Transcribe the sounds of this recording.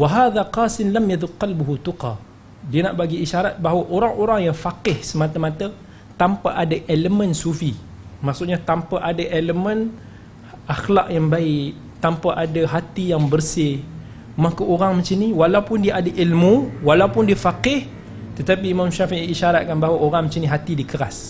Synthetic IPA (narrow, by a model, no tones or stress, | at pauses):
waɦaːðaqɑːsɪnlamjaðʊk̚qːalbuɦut̪uqɑ̰ | diəna̰ʔbaɡiːʃaɾat̪̚baɦwaʔoɾaŋoɾaŋjaŋfakɪhsəmat̪əmat̪ə | t̪ampaʔadaʔeləmənsufi | maʔsuʔɲat̪ampaʔadaʔeləmən | axlaʔjaŋbaɪʔ | t̪ampaʔadaɦat̪ijaŋbərsɪ | makaʔoɾaŋmət͡ʃiniwalawpʊndiaʔadaʔilmuwalawpʊndiəfaqɪh | t̪ət̪ap̬iːmamʃafiʔiʔːʃaɾat̪̚kanbaɦwaʔoɾaŋmət͡ʃiniɦat̪idikəɾas